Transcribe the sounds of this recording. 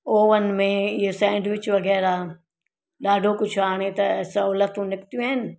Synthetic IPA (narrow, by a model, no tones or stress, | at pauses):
oːʋənɪ̆mẽɪɦosãɪ̃ɳɖʋɪt͡ʃʋɐɡɛːɾa | ɗaːɖʱokʊt͡ʃʰaːɽ̃et̪ɐɛːsɐuːlət̪ũnɪkt̪ijũɦɪnɪ̆